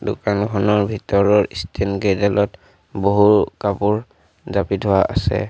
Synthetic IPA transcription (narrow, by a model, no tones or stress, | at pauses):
dʊkanɡʱɔnɔɹbʱitɔɹɔɹistʰenɡedɛlɔt | boɦuɹkapuɹ | zapidʱɔwaʔa̰sɛ̰